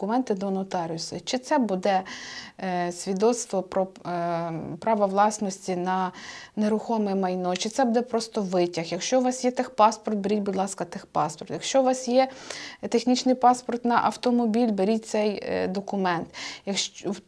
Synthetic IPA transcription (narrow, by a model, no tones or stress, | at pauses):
kʊmɛnt̪ɪd̪ɔnɔt̪ɑɾʲjʊsʊ̰t͡ʃɪt̪sɛbud̪ɛ | sʲʋʲid̪ɔt̪st̪ʋɔpɾɔ | pɾɑʋɐʋlˠɑsnɔsʲtʲinɐneɾʊxɔmɛmɐjnɔt͡ʃɪt̪sɛbud̪ɛpɾɔst̪ɔʋɪtʲɐxjɐkʃt͡ʃɔʋɑsjɛt̪ɪxpɑspɔrt̪̚beɾʲitʲbʊd̪lˠɑskɐt̪ɪxpɑspɔrt̪jɐkʃt͡ʃɔʋɑsjɛt̪exnʲit͡ʃnɪjpɑspɔrt̪nɐʔɐwt̪ɔmɔbʲilʲbeɾʲit̚ʲt̪sɛjd̪ɔkʊmɛnt̪jɐkw